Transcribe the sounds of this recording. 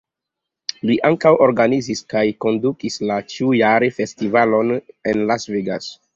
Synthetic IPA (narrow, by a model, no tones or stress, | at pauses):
liʔaŋkawo̞ɾɡaniziskajko̞ndukislat͡ʃiujaɾefe̞stivalo̞ne̞nlasveɡa̰s